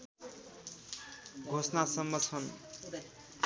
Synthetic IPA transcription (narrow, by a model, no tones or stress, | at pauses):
ɡʱosnasʌmːʌt͡sʰʌn